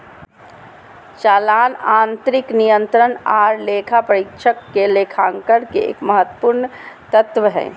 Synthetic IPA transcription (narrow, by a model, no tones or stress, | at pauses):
t͡ʃaːlaːnant̪ɾiknijənt̪ɾənaɾlekʰapəɾikt͡ʃʰəkːelekʰãŋkəɾkḛḛːkməɦət̪ːə̥puɾnt̪ət̪ʋɦɛ̰ː